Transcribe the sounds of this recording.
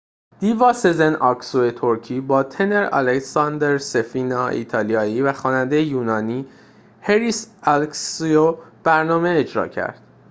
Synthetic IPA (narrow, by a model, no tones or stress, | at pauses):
d̪̥ivɒːsezenɒksuet̪ʰoɾcʰiːbɒːt̪ʰe̞ne̞ɾɒ̰lecsɒnd̪eɾse̞fiːnɒːḭːt̪ʰɒːlijɒːiːvæxɒːnænd̪e̞jejuːnɒːniː | heɾisælksiob̥æɾnɒːme̞ːd͡ʒɾɒ̰ːcʰæ̰ɾd̪̥